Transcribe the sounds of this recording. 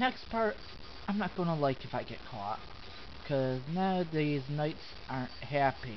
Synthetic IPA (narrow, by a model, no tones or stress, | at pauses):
nɛkspʰɑɹt | ãɪ̃mnət̚ɡ̥ʌnəlaɪkɨfaɪɡɛʔ̚kʰɔ̰t̚ | kʰʌznaʊðiznaɪts | ʔa˞nhæpi